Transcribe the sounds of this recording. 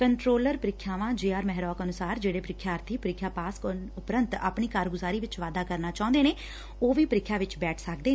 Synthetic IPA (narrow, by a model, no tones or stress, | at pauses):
kəɳʈɾoːləɾpəɾɪkʰːjaːʋãːd͡ʒeːaːɾmɛɦɾɔːkənʊsaːɾd͡ʒeːɽeːpəɾɪkʰːjaːəɾt̪ʰiːpəɾɪkʰːjaːpaːskʊpɾənt̪a̰ːpɳiːkaːɾɡʊzaːɾiːʋɪt͡ʃʋaːd̪aːkəɾnaːt͡ʃaːʊ̃nd̪eːneː | oːʋiːpəɾɪkʰːjaːʋɪt͡ʃbɛːʈʰsəkd̪eː